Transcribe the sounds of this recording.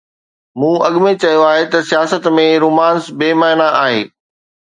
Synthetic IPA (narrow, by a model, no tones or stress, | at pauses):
mũːʔɐɠmẽt͡ɕɐijoaːɦet̪ɐsijaːsət̪mẽɾuːmaːnsbeːmaːɦɪnaaːɦeː